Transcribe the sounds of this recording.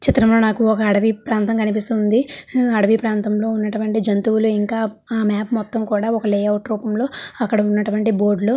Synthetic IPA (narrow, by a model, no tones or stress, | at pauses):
t͡ʃit̪ːɾɐmlo̞ːnaːkuɔkɐːɽɐʋipɾaːnt̪ɐmkɐnipist̪uːnd̪iɐɽɐʋipɾaːnt̪ɐmlo̞ːunːɐʈuʋɐɳʈid͡ʒɐnt̪uːwuluiŋkaː | aːmaːpmɔt̪ːɐmkuːɽaːɔkɐleːjɐwʈɾuːpɐmlo̞ːɐkːɐɽɐunːɐʈuʋɐɳʈibo̞ːɾɖluoː